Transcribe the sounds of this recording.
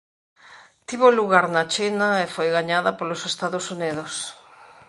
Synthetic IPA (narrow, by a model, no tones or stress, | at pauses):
t̪iβoluɣaɾnat͡ʃinaefojɣaɲaðɐpolosest̪aðosuniðos